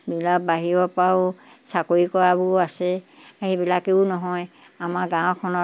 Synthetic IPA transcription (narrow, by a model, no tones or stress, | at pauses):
bilak̚baɦiɹɔpaʊ | sakoɹikɔjabʊasɛ | aɦibilakeʊnɔɦɔj | amaɹɡãw̃kʰɔnɔ